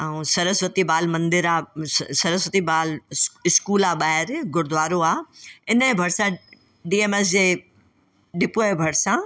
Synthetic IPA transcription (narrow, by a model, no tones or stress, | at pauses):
ɛũsɐɾəsʋət̪ibaːlmɐ̃nd̪ɪɾaːsɐɾəsʋət̪ibaːlɪskuːlaːɓaːɦɪɾɡʱʊɽɪd̪ʊʋaːɾoaːɪnə̃bʱɐɽsã | ɖiːeːmes̬d͡ʑeː | ɖɪpoebʱɐɽsã